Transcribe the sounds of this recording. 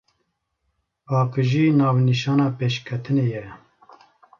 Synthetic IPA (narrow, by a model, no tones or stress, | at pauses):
pɑːqɨʒiːnɑːvniʃɑːnɑːpeːʃkʰɛt̪ʰɨneːjɛ